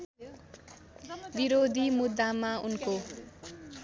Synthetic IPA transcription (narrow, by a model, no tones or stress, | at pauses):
biɾod̪ʱimud̪ːamaunko